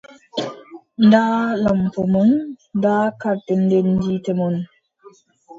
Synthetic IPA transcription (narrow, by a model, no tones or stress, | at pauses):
ndaːlampɔmɔnndaːkaɾtendenditɛmɔn